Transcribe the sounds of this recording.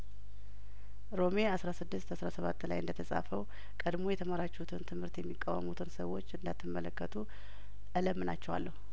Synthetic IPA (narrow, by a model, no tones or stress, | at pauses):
ɾo̞me̞asɾasɨd̪ːɨst̪asɾasəβat̪ːla̰jɨnd̪ət̪ʰəsʼa̰fəw | kʼəd̪mo̞jɛt̪ʰəmaɾat͡ʃːɛut̪ʰɨnt̪ʰɨmhɨɾt̪jɛmːikʼːawə̰mut̪ʰɨnsəwːo̞t͡ʃːɨnd̪at̪ːɨmːələkːət̪ʰu | ʔələmːɨna̰t͡ʃːɛwa̰lːəhu